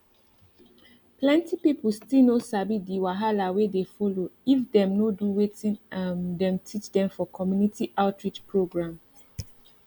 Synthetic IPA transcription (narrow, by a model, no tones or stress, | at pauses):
plɛ̃ntipiplstinosabidiwaɦalawedefoloifdɛ̃mnoduwetĩnamdɛ̃mtʰit͡ʃdɛ̃mfɔkʰɔmjunitiʔaʊtɹit͡ʃpʰɹoɡɹãm